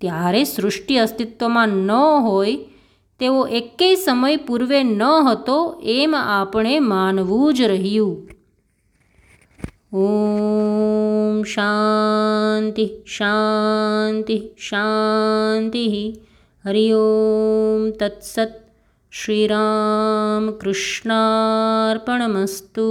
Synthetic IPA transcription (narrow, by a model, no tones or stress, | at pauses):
t̪jaɾesɾʊʂʈiəst̪ɪt̪ʋəmãnəɦoj | t̪eʋoʔekːesəməjpuɾʋenəɦət̪oemapɳemanʋud͡ʒɾəɦijũ | o | mʃa | nt̪iʃa | nt̪iɦʃa | nt̪iɦi | ɦəɾijoːmt̪ɐt̪sət̪̚ | ʃɾiːɾa | mkɾɪʃɳaɾpəɳməst̪u